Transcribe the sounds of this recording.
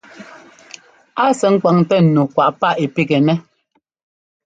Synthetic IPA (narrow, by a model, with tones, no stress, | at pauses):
a˦sɛ˨ŋ̩˦kwa˨ŋ˨tɛ˦n̩˨nu˨kwa˨ʔpa˦˨ʔe˨pi˦˨kɛ˨nɛ˦